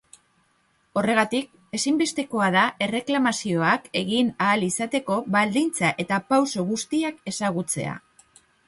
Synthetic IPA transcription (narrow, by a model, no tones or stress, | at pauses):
o̞re̞ɣ̞at̪ik̚ | e̞simbe̞st̪e̞ko̞aðae̞re̞klamasio̞ake̞ɣinaːlisat̪e̞ko̞βald̪int͡saʔe̞t̪apawso̞ɣust̪iake̞saɣ̞ut͡se̞̰a̰